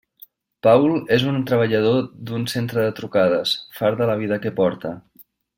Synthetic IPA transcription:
pawlezunt̪ɾəβ̞əʎəð̞od̪unsent̪ɾəðət̪ɾukað̞əsfaɾðələβ̞iðəkəpɔɾt̪ə

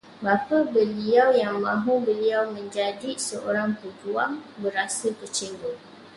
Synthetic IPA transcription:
bapabəliawjaŋmãɦũbəliawmə̃ɲd͡ʒadisəʔoɾaŋt̪əd͡ʒuaŋbəɾasət̪ət͡ʃɛŋɡo

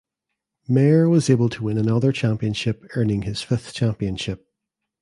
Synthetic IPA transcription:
mɛɹwʌzebəlˠtʰəwɪ̃nənʌðə˞t͡ʃʰãmpiə̃nʃɪpɜ˞nɪ̃ŋɪz̥fɪθt͡ʃʰæ̃mpiə̃nʃɪp̚

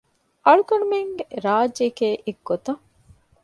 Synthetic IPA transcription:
ʔɐɭukɐɳumeŋɡeɾaːd͡ʒekeːʔiɡːot̪ɐ

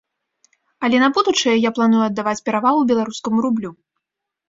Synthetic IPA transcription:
ɐlʲɛnɐbud̪ut͡ʂɐjɛjaplˠanujuɐd̪ːavat͡sʲpʲɛɾavalˠubʲɛlˠaɾuskɐmuɾublʲu

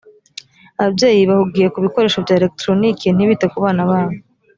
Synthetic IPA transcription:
aβabje̞ːjiβahuɡiːjekuβiko̞ɾe̞ːʃo̞vjaːelek̚tɾo̞niken̥iβitekuβaːnaβaːβo

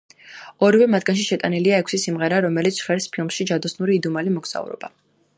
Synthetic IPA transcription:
ɔɾivɛmat̪̚ʰɡanʃiʃɛt̪ʼaniliaɛkʷʰsisimʁɛɾaɾɔmɛlit̪sʰχɛɾspʰilˠmʃid͡ʒad̪ɔsnuɾiːd̪umalimɔɡz̥a̰ṵɾɔ̰b̥a̰

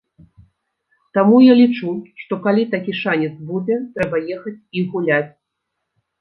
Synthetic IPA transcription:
t̪amujalʲit͡ʂuʂt̪ɔkalʲit̪akʲiʂanʲɛt̪sbud͡zʲɛt̪ɾɛbɐjɛxɐt͡sʲiɣulʲat͡sʲ

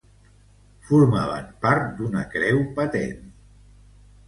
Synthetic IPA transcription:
fuɾma̰βənpaɾt̪̚d̪unə̰kɾɛwpət̪ḛn

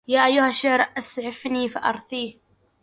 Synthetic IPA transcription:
jaːʔajːʊhaʃːʊʕɾʔasʕɪfniːfaʔɑ̰ɾˤðˤiːh

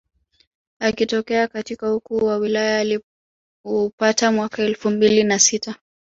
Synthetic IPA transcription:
akitɔkɛakatikahukuːwawilajaːli | upatamwakaɛlfumbilinasita

